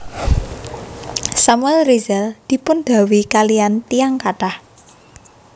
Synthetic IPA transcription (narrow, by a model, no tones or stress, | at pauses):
samuɛlrizɛld̪̥i̤pʊnd̪̥a̤wikalijant̪ijaŋkaʈah